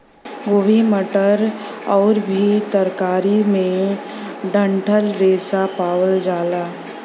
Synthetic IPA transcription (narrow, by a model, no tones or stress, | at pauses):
ɡoːbiməʈəɾ | ɔːɾbʱit̪əɾkaːɾimẽ | ɖə̃ɳʈʰəlɾeːsapaːwəld͡ʒaːlaː